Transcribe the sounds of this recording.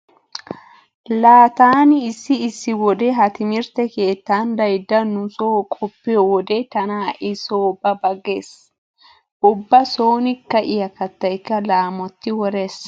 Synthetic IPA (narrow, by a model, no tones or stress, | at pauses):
laːt̪aːnɪːsːɪːsːɪwɔd̪eɦɐt̪ɪmɪɾt̪ɛke̞ːt̪ːaːnd̪ɐjd̪ːɐnʊsoːkʼɔpːɪjɔwɔd̪et̪ɐnaːʔɪsoːbɐbɐɡe̞ːs | ʔʊbːɐso̞ːnɪkːɐʔɪjɐkɐt̪ːɐjkːɐlaːmɔt̪ːɪwɔɾeːs